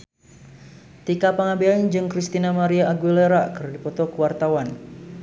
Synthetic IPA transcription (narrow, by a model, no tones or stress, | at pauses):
t̪ikapaŋabeaind͡ʒɨŋkɾist̪inamaɾiaːɡuileɾakɨrdipɔt̪ɔkuwart̪awan